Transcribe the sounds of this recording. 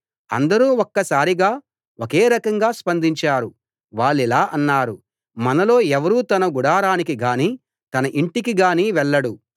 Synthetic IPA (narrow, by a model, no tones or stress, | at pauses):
ɐ̰nd̪ɐɾuːokːɐsaːɾiɡaː | okeːɾɐkɐŋɡaːspɐnd̪ʱiɲt͡ʃaːɾu | ʋaːɭːilaːʔɐnːaːɾu | mɐnɐlo̞ːɛʋɐɾuːt̪ɐnɐɡuɽaːɾaːnikiɡaːniː | t̪ɐnɐʔiɳʈikiɡaːniːʋɛɭːɐɽu